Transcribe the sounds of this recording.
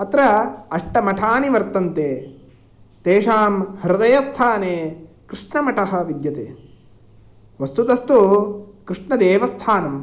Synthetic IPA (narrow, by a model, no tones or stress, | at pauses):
ɐt̪ɾɐɐʂʈɐmɐʈʰaːniʋɐɾt̪ɐnt̪eː | t̪eːʂaːmhiɾɐd̪ɐjɐst̪ʰaːneː | kɾɪʂɳɐmɐʈɐɦɐ̆ʋid̪jɐt̪eː | ʋɐst̪ut̪ɐst̪ukɾiʂɳɐd̪eːʋɐst̪ʰaːnɐm